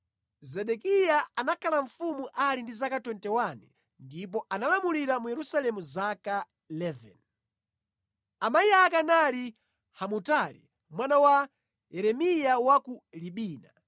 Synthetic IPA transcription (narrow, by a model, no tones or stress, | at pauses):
zɛɗɛkijaanakʰalaɱ̩fumuʔalindizakatɔntɛwanɛ | ndip̬ɔanalamuliɾamujɛɾusalɛmuzaka | ilɛvɛ̰n | amaiakanali | hamutalḭ | mwanawa | jɛɾɛmijawakuliɓiːna